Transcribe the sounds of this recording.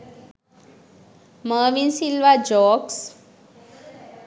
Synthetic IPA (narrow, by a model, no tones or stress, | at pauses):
məːʋinsilʋad͡ʑɔks